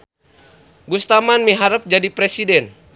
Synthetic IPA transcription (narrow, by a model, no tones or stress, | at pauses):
ɡust̪amanmiɦaɾəp̚d͡ʒadipɾɛsidɛn